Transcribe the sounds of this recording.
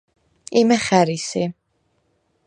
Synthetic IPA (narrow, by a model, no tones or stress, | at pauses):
imɛχæɾisi